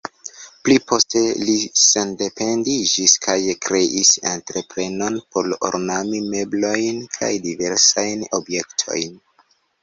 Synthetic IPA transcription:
plipo̞ste̞lisende̞pe̞ndid͡ʒiskʰajkɾe̞ʔisa̰ntɾe̞pɾe̞no̞npo̞lo̰ɾnamime̞blo̞jnkʰa̰jdive̞ɾsajno̞bje̞ktʰo̞̰jn

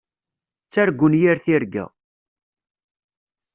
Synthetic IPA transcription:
t͡sːæɾɡʷːʊnjiɾθiɾɡæ̰

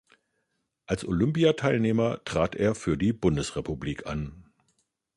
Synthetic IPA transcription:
ʔalsʔolʏmpiatʰaɪlneːmɐtʁ̥aːtʔeːɐfyːɐdiːbʊndəsʁepubliːkʰa̰n

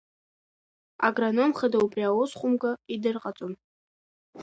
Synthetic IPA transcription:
a̰ɡranomχadaupʼriawosχʷʼʊmɡʼaidɨrqʼat͡sʼʊn

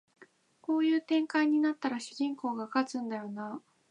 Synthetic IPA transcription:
ko̞ːjɯ̟ːt̪ẽ̞ŋkaiɲ̟inat̪ːaɾaɕɯʑĩŋko̞ːɡakat͡sɨ̃nd̪ajo̞na

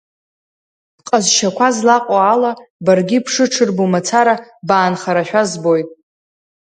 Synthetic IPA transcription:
qʼazʃakʷʰazlaqʼoalabarɡʲipʰʂɨʈ͡ʂʰɨrbomat͡sʰaɾabaːnχaɾaʃᶣazbo̞jtʼ

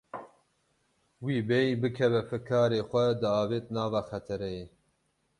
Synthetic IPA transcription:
wiːbɛjbɨkʰɛvɛfɨkʰɑːɾeːxʷɛd̪ɨɑːveːt̪̚nɑːvɑːxɛt̪ʰɛɾɛje

